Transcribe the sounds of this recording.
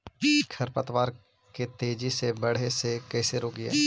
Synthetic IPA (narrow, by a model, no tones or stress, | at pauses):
kʰɐɾpət̪ʋaːɾ | ket̪eːd͡ʒisebɐɽ̤esekɛːseɾoːkiɛ̰ː